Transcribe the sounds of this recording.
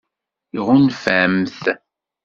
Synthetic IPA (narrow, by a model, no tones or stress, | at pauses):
iʁʊnfæmθ